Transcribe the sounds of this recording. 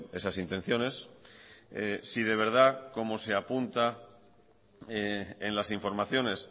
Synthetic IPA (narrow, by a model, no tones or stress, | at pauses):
e̞sasint̪e̞n̟θjo̞ne̞s | esið̞e̞β̞e̞ɾð̞ako̞mo̞se̞apunt̪a | enlasiɱfo̞ɾmaθjo̞ne̞s